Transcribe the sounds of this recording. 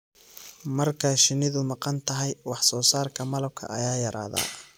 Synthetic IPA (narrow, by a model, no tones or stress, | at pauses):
mɐrkʰɐʃɪnɪðʊmɑqɑnt̪ʰɐɦɛjwɑħsɔːsaːrkʰɐmɐlɐb̚kʰɐ̰ʔɐ̰jaːjɐɾa̰ːða̰ː